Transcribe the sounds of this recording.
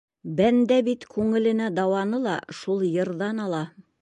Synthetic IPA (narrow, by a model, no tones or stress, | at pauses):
bænd̪æbit̪kʉŋɘ̆lɘ̆næd̪ɑwɑnɤlˠɑʃulˠjɤ̆ɾðɑnɑlˠɑ